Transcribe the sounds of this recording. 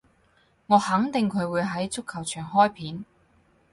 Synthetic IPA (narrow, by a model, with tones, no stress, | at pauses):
ŋɔː˨˧hɐ˨˥ŋt̪ɪ˨ŋkʰɵ˨˧ɥwuː˨˧jɦɐ˨˥jt͡sʊ˥kʰːɐ˨˩wt͡ʃʰœː˨˩ŋhɔː˥jpʰiː˨˥n